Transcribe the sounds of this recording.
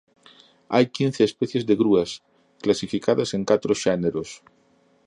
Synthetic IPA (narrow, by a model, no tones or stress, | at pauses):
ajkinθeːspeθjezðeɣɾuas | klasifikaðaseŋkat̪ɾoʃeneɾos